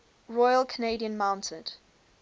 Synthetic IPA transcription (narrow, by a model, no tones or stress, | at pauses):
ɹɔɪəlˠkʰəneɪdiə̃nmãʊ̃ntʰəd̥